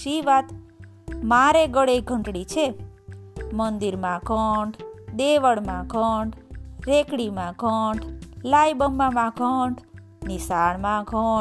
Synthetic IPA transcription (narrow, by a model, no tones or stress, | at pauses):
ʃiʋat̪ | maɾeɡəɽeɡʱəɳʈɽit͡ʃʰe | mənd̪iɾmãkəɳɖd̪eʋəɽmãɡʱəɳɖɾekɽimãɡʱəɳɖlajbəmbamãɡʱəɳɖ | nisaɳmãɡʱə